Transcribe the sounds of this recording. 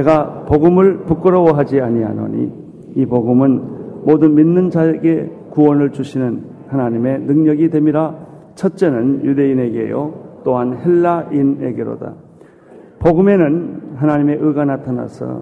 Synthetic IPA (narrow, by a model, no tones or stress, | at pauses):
ne̞ɡapoɡɯmɯɭpuk͈ɯɾʌwʌɦad͡ʑiaɲia̰no̰ɲḭ | ipoɡɯmɯnmodɯnminːɯnd͡ʑaeɡe̞ | kuwʌnɯɭt͡ɕuɕʰinɯn | hanaɲime̞nɯŋɲʌɡidwe̞miɾa | t͡ɕʰʌt̚t͡ɕ͈enɯnjude̞ine̞ɡe̞̰jo̰t͈oɦanheɭːaine̞ɡeɾo̰da̰ | poɡɯme̞nɯnɦanaɲime̞ʔɯɭɡanatʰana̰sʰʌ̰